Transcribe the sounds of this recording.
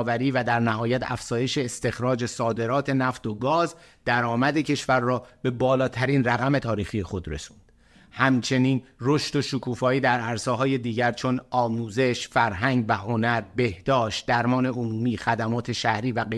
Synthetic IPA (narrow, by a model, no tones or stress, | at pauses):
væɾiːvæd̪æɾnæhɦɒːjæt̪ʰæ̰fz̥ɒːje̞ʃe̞ːst̪e̞xɾɒːd͡ʒe̞sɒːd̪e̞ɾɒːt̪ʰe̞næft̪o̞ɡɒːzd̪̥æɾɒːmæd̪e̞cʰe̞ʃvæɾːɒːbe̞bɒːlɒːt̪ʰæɾiːnræɣæme̞t̪ʰɒːɾiːxiːje̞xo̞d̪ɾe̞̰su̥nd̥ | hæmt͡ʃʰe̞niːnro̞ʃt̪o̞ʃukʰuːfɒːiːd̪æɾæɾseːɦɒːje̞d̪iːɟæɾt͡ʃʰo̞nɒːmuːze̞ʃfæɾɦæŋɟvæho̞næɾbe̞hd̪̥ɒːʃt̪̚d̪æɾmɒːne̞omuːmiːxæd̪æmɒːt̪ʰe̞ʃæhɾiːvæe